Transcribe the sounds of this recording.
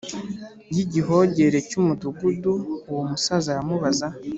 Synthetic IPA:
jiɟiɦo̞ɟe̞ɾe̞cumutuɡuduːwomusazaɾamuβaza

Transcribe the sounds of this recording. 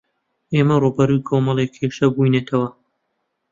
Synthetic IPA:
ʔeːmɐrubɐɾujkʰomɐlˠekʰheʃɐbujneːt̪ʰɐwɐ

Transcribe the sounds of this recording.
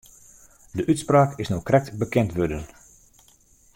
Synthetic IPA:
dəʔytspraːkɪsnoːkrɛk̚tbəkɛntʋødən

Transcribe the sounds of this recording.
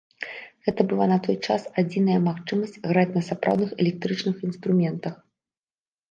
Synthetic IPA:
ɣɛt̪ɐbɨlˠanɐt̪ɔjt͡ʂasad͡zʲinɐjɐmaxt͡ʂɨmɐsʲt͡sʲɣɾat͡sʲnɐsapɾʔa̰wd̪nɨxɛlʲɛk̚t̪ɾɨt͡ʂnɨxinst̪ɾumʲɛnt̪ɐx

